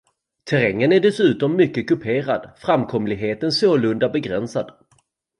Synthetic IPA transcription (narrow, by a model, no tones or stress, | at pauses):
t̪ʰɛɾɛŋːənæɖɛsʉ̟ːt̪ɔmːʏkːəkɵpʰeːɾad̪fɾamkʰɔmlɪɡɦeːt̪ənsoːlɵnd̪abɛɡɾɛnsad̪̥